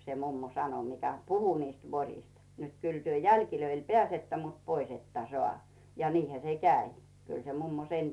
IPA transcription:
se mumːo sɑno mikæ puhu niːst ʋorʲist nə̆t kyl tyø jælkiløil peæˑsetːæ mut pois etːæ soɑˑ jɑ niːhæ se kæi kyl se mumːo sen

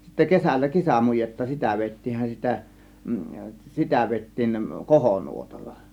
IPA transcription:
sitːæ kesælːæ kesæmujetːɑ sitæ ʋeˑitːiːnhæn sitæ sitæ ʋeˑitːiːn kohonuotɑlːɑ

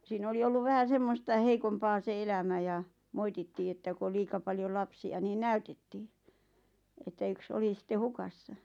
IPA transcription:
siːn oli olːuʋ ʋæhæ semːostɑ heikompɑː se elæmæ jɑ moititːiː etːæ ku ol liːkɑ pɑljol lɑpsiɑ niː næytetːiː etːæ yks oli sĭtːe hukɑsːɑ

